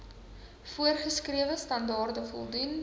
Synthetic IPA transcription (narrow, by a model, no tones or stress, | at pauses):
fuərχəskriəvəstɐndɑːrdəfɔ̰lˠdun